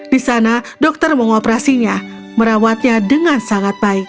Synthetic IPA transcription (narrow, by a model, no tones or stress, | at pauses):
d̥isana | dɔk̚t̪ərməŋɔpəɾasiɲa | məɾawat̪̚ɲadəŋansaŋat̪̚baɪk̚